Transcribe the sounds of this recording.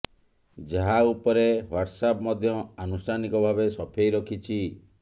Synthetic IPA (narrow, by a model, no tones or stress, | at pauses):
d͡ʒaɦaupɔɾewaɾʈsapmɔd̪ʱjɔanusɾanikɔbʱabesɔpʰejɾɔkʰit͡ʃʰi